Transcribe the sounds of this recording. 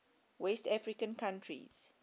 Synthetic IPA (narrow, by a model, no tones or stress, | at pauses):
wɛstafɹikə̃nkʰãntʰɹḭz̥